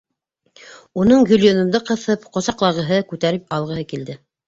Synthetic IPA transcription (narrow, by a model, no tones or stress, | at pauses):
unɤɴjɵlʲjonɤ̆mnd̪ɤqɤ̆θɤpqŏsɑqlˠɑʁɤ̆ɦɤkʉt̪æɾɘp̚ɑlˠʁɤ̆ɦɤkild̪ɘ